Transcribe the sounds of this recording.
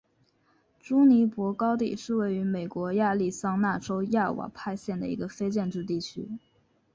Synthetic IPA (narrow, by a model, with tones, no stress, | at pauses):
ʈ͡ʂu˥ni˧˥pwɔ˧˥kɑ˥ʊt̪ḭ˨˩ʂɻ̩˥˧we˥˩ɪy˧˥me˨˩ɪkwɔ˧˥ja˥˧li˥˩sɑ˥ŋna˥˩ʈ͡ʂo˥ʊja˥˩wa̰˨˩pʰa˥˧ɪɕjɛ˥˩nd̪ə̰˩ḭ˧˥ɡə˧fe˥ɪt͡ɕjɛ˥˧nʈ͡ʂɻ̩˥˧t̪i˥˩t͡ɕʰy̰˥